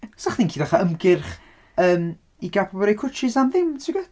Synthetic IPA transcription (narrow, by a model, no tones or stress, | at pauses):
saχninkʰiːdaχaəmɡɪrχ | əːm | iɡapʰɔbɔɾejkʰʊt͡ʃɪsamðɪmtʰɪɡɛ